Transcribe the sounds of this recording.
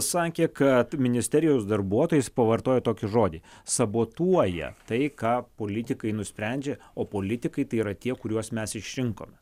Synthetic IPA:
sɑːkʲekɐt̪mʲɪnʲɪsʲt̪ʲɛɾʲɪjɛʊsd̪ɐrbuɔt̪oːjɪspɐʋɐrt̪oːjɛt̪oːkʲɪʒoːd̪ʲisɐboːt̪uɔjɛ̰t̪ɐɪkɑːpoːlʲɪt̪ʲɪkɐɪnʊsʲpʲɾʲænʲd͡ʒʲɛ | oːpoːlʲɪt̪ʲɪkɐɪt̪ɐɪiːɾɐt̪ʲiɛkʊɾʲuɔsmʲɛsɪʃʲɾʲɪŋko̰ːmʲɛ

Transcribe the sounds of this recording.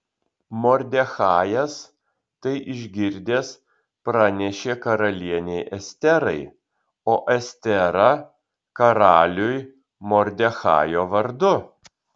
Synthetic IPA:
moːɾʲd̪ʲɛxɑːjɛs | t̪ɐɪʔɪʒʲɡʲɪɾʲd̪ʲeːs | pɾɑnʲɛʃʲeːkɐɾɐlʲiɛnʲɛɪʔɛsʲt̪ʲɛɾɐɪ | oːʔɛsʲt̪ʲɛɾɐ | kɐɾɑːlʲʊj | moːɾʲd̪ʲɛxɑ̰ːjoːʋɐɾd̪ʊ

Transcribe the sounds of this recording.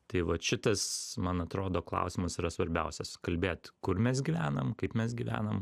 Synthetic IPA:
t̪ɐɪʋɐʃʲɪt̪ɐsmɐnɐt̪ɾoːd̪oːklˠɑ̰ʊsʲimɐsɪɾɐsʋɐɾʲbʲɛʊsʲɛskɐlʲbʲeːt̪kʊɾmʲɛsɡʲiʋʲæːnɐmkɐɪpmʲɛs̬ɡʲiʋʲæ̰ːnɐm

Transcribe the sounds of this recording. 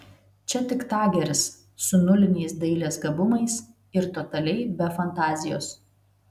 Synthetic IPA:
t͡ʃʲɛt̪ʲɪkt̪ɑːɡʲɛɾʲɪsː | ʊnʊlʲɪnʲɛɪsd̪ɐɪlʲeːsɡɐbʊmɐɪs | ɪɾt̪oːt̪ɐlʲɛɪbʲɛfɐnt̪ɑːzʲɪjoːs

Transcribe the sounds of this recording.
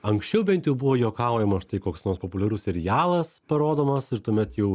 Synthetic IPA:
ɐŋksʲt͡ʃʲɛʊbʲɛnt̪jɛʊbuʋoːjoːkɐˑʊjɛmɐʃt̪ɐɪkoːksnoːɾspoːpʊlʲɛɾuːssʲɛɾʲɪjæːlˠɐspɐɾoːd̪oːmɐsɪɾt̪uɔːmʲɛt̪jɛʊ

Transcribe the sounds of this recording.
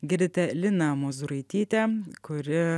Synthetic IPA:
ɡʲɪɾʲd̪ʲɪt̪ʲɛlʲɪnɐmozuɾɐɪt̪ʲiːt̪ʲɛkʊɾʲɪ

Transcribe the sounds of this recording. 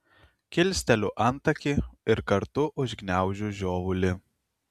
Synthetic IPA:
kʲɪlʲsʲt̪ʲɛlʲʊʔɐnˑt̪ɐkʲɪɪɾkɐɾt̪ʊʔʊʒʲɡnʲæˑʊʒʲuʒʲoːʋʊlʲɪ

